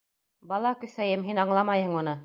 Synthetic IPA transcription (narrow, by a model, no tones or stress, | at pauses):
bɑlˠɑkɵ̆θæjɘmɦinɑɴlˠɑmɑjhɤ̆ɴunɤ